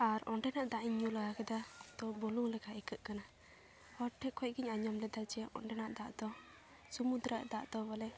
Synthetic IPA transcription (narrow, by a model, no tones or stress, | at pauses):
aɾɔɳɖɛnaʔd̪aʔiɲːulaɡakɛd̪at̪ɔbuluŋlɛkaikəʔ̪̚kana | hɔʈʰːɛkʰɔc̚ɡiɲaɲɔmlɛd̪ad͡ʒɛʔɔ̰ɳɖɛnaʔd̪aʔd̪ɔ | sumud̪ɾaʔd̪aʔd̪ɔbɔlɛ